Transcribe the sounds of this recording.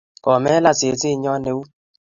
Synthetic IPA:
kɔ˨me˦la˦te˨ti˦˨ɲɔ˦ne˨wu˦

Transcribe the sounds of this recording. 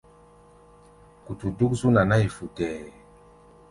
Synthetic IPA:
ku˨tu˨du˦kzu˦na˨na˦i˨fu˨tɛ˨

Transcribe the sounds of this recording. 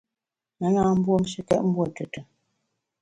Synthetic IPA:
na˨˦naː˦m̩˦bwo˦m˦ʃi˦kɛ̰˦ʔm̩˦bwo˦˨tu˨tə˨

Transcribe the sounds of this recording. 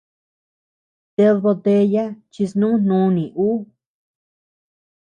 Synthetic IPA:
t̪e˧ðβo˧t̪e˧ja˦t͡ʃi˧snũ˦n̥nũ˧˦˧nĩ˨ʔu˦

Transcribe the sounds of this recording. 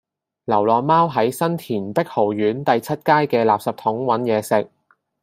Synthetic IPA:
lɐ˨˩wlɔː˨maː˥wɦɐ˨˥jsɐ˥nt̪ʰiː˨˩npɪ˥k̚ho˨˩wjyː˨˥nt̪ɐ˨jt͡sʰɐ˥t̚kaː˥jkɛː˧laː˨p̚sɐ˨p̚t̪ʰʊ˨˥ŋwɐ˨˥njɛː˨˧sɪ˨k̚

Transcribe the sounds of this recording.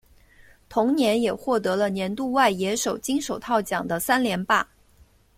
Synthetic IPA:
t̪ʰʊ˧˥ŋnjɛ˧˥njɛ˨˩xwɔ˥˩t̪ɤ˧˥lə˧njɛ˧˥nt̪u˥˧wa˥˩ɪjɛ˧˥ʂo˨˩ʊt͡ɕi˥ŋʂo˨˩ʊt̪ʰɑ˥˩ʊt͡ɕjɑ˨˩ŋd̪ə˦sa˥nljɛ˧˥npa˥˩

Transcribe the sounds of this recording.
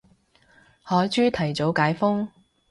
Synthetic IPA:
hɔː˨˥jt͡ʃyː˥t̪ʰɐ˨˩jt͡so˨˥wkaː˨˥jfʊ˥ŋ

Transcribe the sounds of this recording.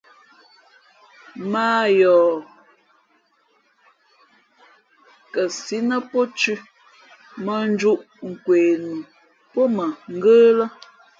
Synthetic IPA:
maː˦jɔː˨ | kə˨si˦nə˦po˦t͡ʃʉ˦ | mə˨n˦d͡ʒu˦ʔ | ŋ̩˨kweː˨nu˨ | pɔ˦mə˨ŋ̩˦ɡəː˦lə˦

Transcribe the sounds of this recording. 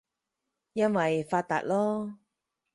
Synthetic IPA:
jɐ˥nwɐ˨jfaː˧t̪ːa̰ː˨t̚lɔː˥

